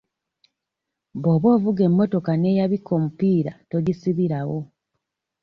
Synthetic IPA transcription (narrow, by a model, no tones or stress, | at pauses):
bo̞ːβo̞ːvuɡe̞mːo̞to̞kane̞jaβikːomupiːɾato̞ɟisiβiɾawo